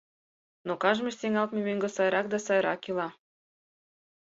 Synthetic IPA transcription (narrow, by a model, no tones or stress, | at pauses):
nokɑʒmĕʃt̪eŋɑlt̪mimeŋɡɤ̆sɑjɾɑk̚d̪ɑsɑjɾɑ̰kilɑ